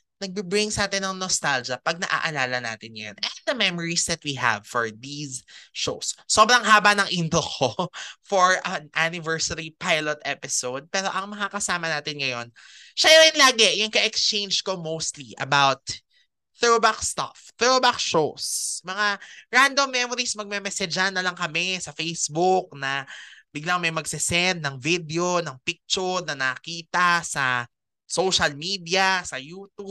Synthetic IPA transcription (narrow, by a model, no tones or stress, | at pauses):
nɐɡ̚bibɾɪŋsɐʔaːt̪ɪnːɐŋnost̪ald͡ʒɐpɐɡ̚nɐʔa̰ʔɐlaːlɐna̰ːt̪ɪnjɐ̰nɛnd̪ɐmɛmɔɹisd̪ɐt̪̚wiɦɐ̰vfɔɹd̪iːsʃowsːo̞bɾɐŋɦaːbɐnɐŋʔint̪okʰofɔɹɐnʔanɪvɛɹsɐɾipajlot̪ʔɛpɪsowd̪̚pɛːɾo̞ʔɐŋmɐŋakɐsaːmɐnaːt̪ɪnŋɐjo̞n | ʃajoɾɪnlaːɡɛjʊŋkɐʔɛkst͡ʃẽjnd͡ʒko̞mowst̪liʔɐ̰bawt̪̚ | θɛbakst̪a̰fθɛbakʃosmɐŋaɹand̪omːɛmoɾismɐɡ̚mɛmɛsɛd͡ʒanɐlɐŋkɐmɛsɐfejsbuk̚nɐbɪɡlaŋmɐjmɐɡsɪsɛnd̪̚nɐŋvid̪ɛo̞nɐŋpik̚t͡ʃʊɾnɐnɐkiːt̪ɐsɐ | sowʃɐlmid̪ijɐsɐjuːt̪ub